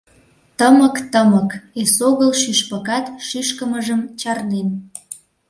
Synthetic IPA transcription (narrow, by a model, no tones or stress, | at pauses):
t̪əməkt̪əməkesoɣəlʃyʃpəkɑt̪ʃyʃkəməʒəmt͡ɕɑrnen